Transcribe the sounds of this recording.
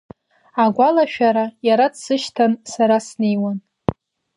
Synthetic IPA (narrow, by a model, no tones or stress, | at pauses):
aɡʷalaʃᶣaɾajaɾadsɨʃtʰansaɾasnejwan